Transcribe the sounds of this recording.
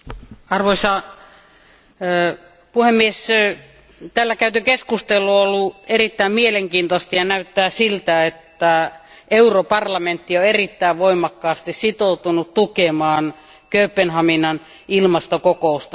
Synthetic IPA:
ɑrʋoisɑ | puhemːies | t̪ælːækæyt̪ykeskust̪elːuolːuerit̪ːæimmieleŋkiːnt̪ost̪ɑjɑnæyt̪ːæːsilt̪æet̪ːæeuropɑrlɑment̪ːioerit̪ːæiʋʋoimɑkːɑːst̪issit̪out̪unut̪t̪ukemɑːn | køypːenhɑminːɑn | ilmɑst̪okokoˑust̪ɑ

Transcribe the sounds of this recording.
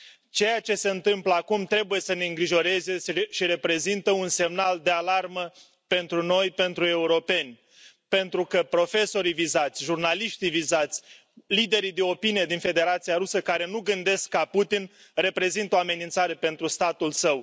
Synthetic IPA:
t͡ʃe̞jat͡ʃe̞se̞ɨnt̪ɨmpləakumt̪ɾe̞buje̞səne̞ɨŋɡɾiʒo̞ɾe̞ze̞sʃiɾe̞pɾe̞zint̪əunse̞mnald̪e̞alarmə | pe̞nt̪ɾuno̞jpe̞nt̪ɾue̞uɾo̞pe̞nʲ | pe̞nt̪ɾukəpɾo̞fe̞so̞ɾijvizat̪sʲʒurnaliʃt̪ivizat̪sʲ | lid̪e̞ɾid̪e̞o̞pinijed̪infe̞d̪e̞ɾat̪siaɾusəkaɾe̞nuɡɨnd̪e̞skːaput̪in | re̞pɾe̞zint̪əoame̞nint̪saɾe̞pe̞nt̪ɾust̪at̪ulsəw

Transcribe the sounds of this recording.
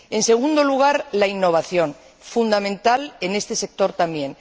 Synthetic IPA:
e̞nse̞ɣ̞und̪o̞luɣ̞aɾlainːo̞β̞aθjo̞n | fund̪amẽnt̪ale̞ne̞st̪e̞se̞k̚t̪o̞ɾt̪ambjẽ̞n

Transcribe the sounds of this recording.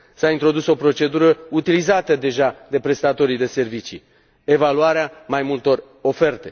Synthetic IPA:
saint̪ɾo̞d̪uso̞pɾo̞t͡ʃe̞d̪uɾəut̪ilizat̪əd̪e̞ʒad̪e̞pɾe̞st̪at̪o̞ɾijd̪e̞se̞rvit͡ʃḭ | e̞valuaɾeamajmult̪o̞r | o̞fe̞rt̪e̞

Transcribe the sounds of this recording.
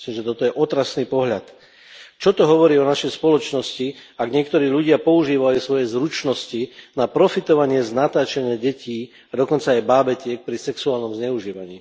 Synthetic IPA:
sliːmʒɛt̪ɔt̪ɔjɛʔɔt̪ɾasniːpɔɦʎat̪ | t͡ʃɔt̪ɔɦɔʋɔɾiːɔnaʃɛjspɔlɔt͡ʃnɔsciaɡɲɪɛk̚t̪ɔɾiːʎuɟɪapɔuʒiːʋajusʋɔjɛzɾut͡ʃnɔscinapɾɔfit̪ɔʋaɲɪɛznat̪aːt͡ʃɛɲɪaɟɛciː | ad̪ɔkɔnt͡saːjbaːbɛcɪɛk̚pɾisɛksuaːlnɔmzɲɛuʒiːʋaɲḭː

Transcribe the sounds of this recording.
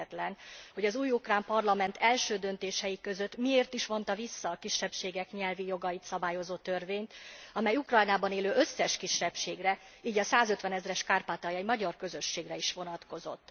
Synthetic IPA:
ɛt̪lɛnho̞ɟɒzuːjukraːmpɒrlɒmɛnt̪ʰɛlʃøːd̪ø̞nt̪eːʃɛjikø̞zø̞t̪ːmieːrt̪iʃmo̞nt̪ɒvisːɒːkiʃːɛpʃeːɡɛkɲɛlvijo̞ɡɒjit̪sɒbaːjo̞zoːt̪ø̞rveːɲt̪ɒmɛjukrɒjnaːbɒneːløːʔøsːɛʃkiʃːɛpʃeːɡrɛiːɟɒsaːzøt̪ʋɛnɛzrɛʃkaːrpaːt̪ɒjimɒɟɒrkø̞zø̞ʃːeːɡrɛiʃʋo̞nɒt̪ko̞zo̞̰t̪ː

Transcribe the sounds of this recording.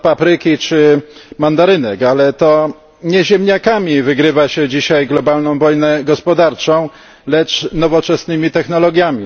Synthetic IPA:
papɾɘkʲit͡ʂɘmand̪aɾɘnɛkalɛt̪ɔ | ɲɛʑɛmɲakamʲivɘɡɾɘvaɕɛd͡ʑiɕajɡlɔbalnɔ̃w̃vɔjnɛɡɔspɔd̪aɾt͡ʂɔ̃w̃ | lɛt͡ʂnɔvɔt͡ʂɛsnɘmʲit̪ɛxnɔlɔɡʲjamʲi

